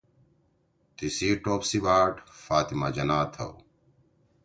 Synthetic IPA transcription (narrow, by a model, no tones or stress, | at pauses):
t̪isiːʈoːpsibaːʈfaːt̪imad͡ʑɐnaːt̪ʰɐ̰w